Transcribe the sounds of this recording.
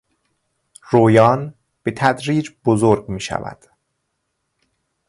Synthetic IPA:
roːjɒːn | b̥e̞t̪ʰæd̪ɾiːd͡ʒbozoːɾɡmiːʃæ̰væ̰d̪̥

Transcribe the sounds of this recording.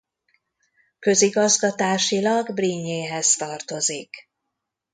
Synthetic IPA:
kø̞ziɡɒzɡɒt̪aːʃilɒɡbriɲːeːɦɛzt̪ɒrt̪o̞zik

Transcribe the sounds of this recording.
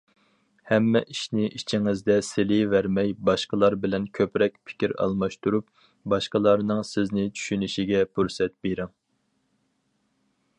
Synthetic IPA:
hɛmːɛʔiʃnɪʔit͡ʃʰiŋɪzd̪ɛsɪlɪvæɾmɛjbɑʃqəlˠɑɾbɪlɛnkʲʰøpɾɛk̚ʲpʰɪ̥kʲiɾɑ̰lˠmɑʃt̪uɾup̚ | bɑʃqəlˠɑɾnɨŋsɪznɪt͡ʃʰy̥ʃynɪʃiɡʲɛpʰuɾsɛt̪̚beɾɪŋ

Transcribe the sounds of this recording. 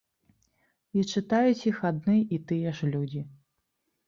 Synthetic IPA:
it͡ʂɨt̪ajut͡sʲixad̪̚nɨʔit̪ɨjɛʂlʲud͡zʲi

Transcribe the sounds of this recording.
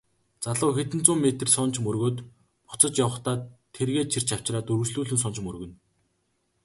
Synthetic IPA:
t͡saɮə̆ːxet̪ɘ̆n̥t͡sʊːmːet̪ɘ̆rsʊn̥t͡ɕmɵrɣoːt̪ | pʊ̥t͡sə̆t͡ɕjawə̆χt̪aːt̪ʰːerɣeːt͡ɕʰir̥t͡ɕʰaw̥t͡ɕraːt̪ɵɾɵ̆t͡ɕɮuːɮɘ̆ns̬ʊnt͡ɕmɵrɣɵ̆n

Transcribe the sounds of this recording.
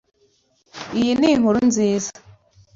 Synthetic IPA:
ijiniŋ̥uɾunziːzḁ

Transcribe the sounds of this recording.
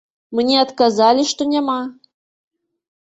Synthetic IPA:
mənʲeɑt̪kɑzɑlʲiʃt̪onʲɛmɑ

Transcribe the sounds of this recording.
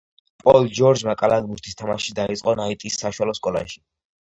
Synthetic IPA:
pʼɔld͡ʒɔɾd͡ʒmakʼalaɡ̪buɾt̪ʰist̪ʰamaʃid̪ait̪sʼqʼɔnait̪ʼisːaʃwalɔskʼɔla̰ʃi̥

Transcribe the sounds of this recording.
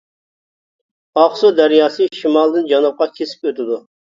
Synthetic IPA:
ɑχsud̪ɑɾjɑsɨʃimɑlˠd̪ɨnd͡ʒɑnɑp̚qɑkʲʰesɪ̥pøt̪ɪd̪u

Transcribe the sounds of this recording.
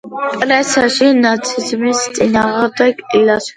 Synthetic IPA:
pʼɾɛsaʃinat͡sʰʼizmist͡s̪ʼinaʁad̪akʼilas

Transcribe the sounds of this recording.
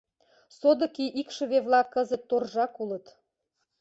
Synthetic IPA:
sod̪ə̆kiʔikʃə̆βeβlɑkːəzət̪ːorʒɑkulə̆t̪

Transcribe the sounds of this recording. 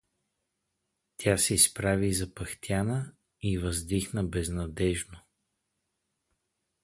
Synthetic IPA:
t̪ʰʲasɛispɾavizɐpɐxt̪ʲjanə | ivəzd̪ixnəbɛznɐd̪ɛʒno

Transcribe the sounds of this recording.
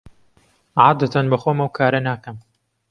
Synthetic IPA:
ʕaːd̪at̪ʰɐnbɐxoːmɐwkʰaːɾɐnaːkɐm

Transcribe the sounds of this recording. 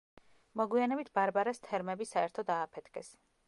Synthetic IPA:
mɔɡwianɛbit̪ʰbaɾbaɾast̪ʰɛɾmɛbisaɛɾt̪ʰɔd̪aːpʰɛt̪ʰɡʰɛs

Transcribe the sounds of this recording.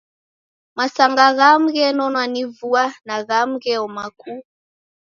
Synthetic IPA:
masaŋɡaɣam̩ɣɛnɔnwanivuanaɣam̩ɣɛɔmaku

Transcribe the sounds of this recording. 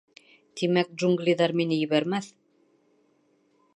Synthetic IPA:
t̪imæk̚ʒuŋɡlʲiðɑɾminɘjɘ̆βæɾmæθ

